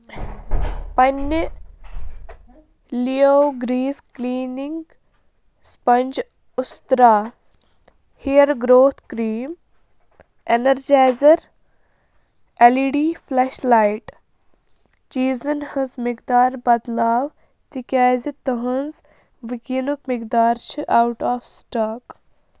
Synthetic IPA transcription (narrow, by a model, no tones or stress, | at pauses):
pɐnː | lijowɡɾiːzkliːniŋɡ | spɐnʲd͡ʒ | ʊst̪ɾaː | hijɐɾɡɾoːt̪ʰkɾiːm | enɐɾd͡ʒaːzɐɾ | eliɖiːfʰlɛʃlaːjʈ | t͡ʃiːzɐnhə̃zmɪkd̪aːɾbɐd̪laːʋ | t̪ikaːzit̪əɦə̃nz | ʋikinukmɪkd̪aːɾt͡ʃʰiʔawʈaːfsʈaːk